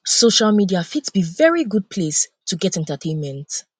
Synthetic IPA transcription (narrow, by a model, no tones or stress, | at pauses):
soʃalˠmidiafitsb̥ivɛɹiɡud̚pʰlestʰuɡɛtɛ̃ntətʰẽɪ̃nmɛ̃nt